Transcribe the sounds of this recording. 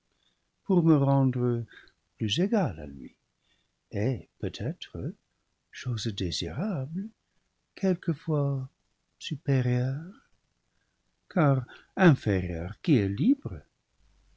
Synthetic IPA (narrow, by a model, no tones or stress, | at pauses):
puʁməʁɑ̃d̪ʁə | plyzeɡala̰lɥḭ | epøt̪ʰɛt̪χə | ʃozd̪ezḭʁablə | kʰɛlkəfwa | sypeʁjœʁ | kʰaʁɛ̃feʁjœ̰ʁkiɛlibʁə